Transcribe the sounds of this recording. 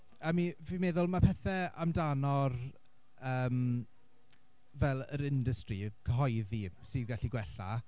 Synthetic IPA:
əmivimeðʊlˠmapʰɛθɛa̰mdanɔr | əːm | vɛlˠə̰ɾɪndəstrikʰəɦɔjðisɨðɡaɬiɡwɛɬa̰

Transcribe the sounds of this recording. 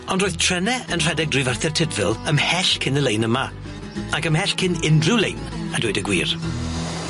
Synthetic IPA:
ɔndroːɨðtʰr̥ɛnɛənr̥ɛdɛɡ̚drivarθɛrtʰɪdvɪlˠəmhɛɬkʰɪnəlejnəma | akəmhɛɬkʰɪnɪndrɪwlejnadwɪdəɡwḭːr

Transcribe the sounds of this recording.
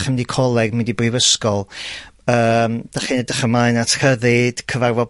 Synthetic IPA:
χəmdikʰɔlˠɛɡmɪndibrivəskɔlˠəːmd̥aχinɛdəχəmaɨnatʰrəðɨd̥kʰəvarvɔ

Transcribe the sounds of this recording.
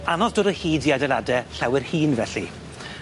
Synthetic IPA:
anɔsd̥ʊːɾəhiːdiadɛladɛɬawɪrhiːnvɛɬḭ

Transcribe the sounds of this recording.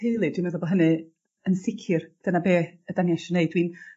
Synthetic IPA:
heɨlˠɨdɪnɔðɔbɔɦənɨ | ənsɪkʰɨrd̥ənabeːədanjaʃɔneɨd̥̚wiːn

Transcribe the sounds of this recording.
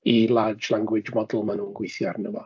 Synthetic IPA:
ilˠad͡ʒlˠaŋɡwɪd͡ʒmɔdl̩ˠmanuːnɡwɪθjarnəvɔ

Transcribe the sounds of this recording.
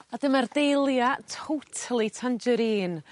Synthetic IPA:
adəmardejlˠjatʰowtʰalˠitʰand͡ʒəɾiːn

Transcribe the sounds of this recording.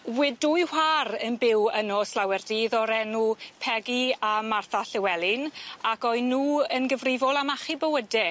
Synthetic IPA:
wɪdʊjharənbɪwənɔslawɛrdiðɔɾɛnupʰɛɡiamarθaɬɪwɛlˠɪnakɔɨnːuːənɡəvrɪvɔlˠamaχibəwədɛ

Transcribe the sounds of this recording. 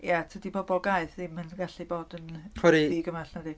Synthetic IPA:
jatʰədibɔbɔɡaɨθðimənɡaɬiboːdənχwɛɾiðiːɡəmaɬnədi

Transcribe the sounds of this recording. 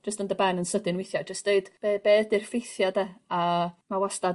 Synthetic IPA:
d͡ʒəstəndəbɛnənsədɪnwɪjθjad͡ʒəsd̥eɨd̥b̥ebedɪrfejθjadɛamawasta

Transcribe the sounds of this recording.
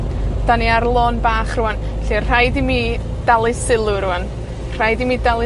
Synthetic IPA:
d̥aniaɾlˠoːnbaːχrʊwan | ɬir̥ajdimiː | d̥alˠɨsɪlˠʊɾʊan | r̥ajdimiːdalˠɨ

